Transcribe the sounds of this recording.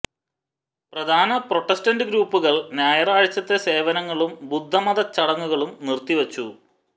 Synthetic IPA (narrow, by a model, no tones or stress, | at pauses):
prɐd̪ʱaːnɐpro̞ʈːestɐndɨɡɾuːpːuɣɐɭnjaːjɐraːɻt͡ɕːɐt̪ːese̞ːʋɐnɐŋːɐɭumbud̪ʱːɐmɐd̪ɐt͡ɕːɐɽɐŋːuɣɐɭumnirt̪iʋɐt͡ɕːu